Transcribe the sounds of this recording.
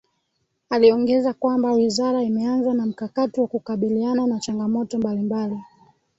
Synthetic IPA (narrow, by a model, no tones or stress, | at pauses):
aliɔŋɡɛzakwambawizaɾaimɛanzanam̩kakatiwakukaɓiliananat͡ʃaŋɡamɔtɔmbalimbali